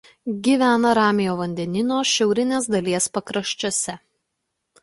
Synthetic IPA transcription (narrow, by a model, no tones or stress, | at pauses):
ɡʲiːʋʲæːnɐɾɑːmʲɪjoːʋɐnʲd̪ʲɛnʲɪnoːʃʲɛʊɾʲɪnʲeːsd̪ɐlʲiɛspɐkɾɐʃʲt͡ʃʲoːsʲɛ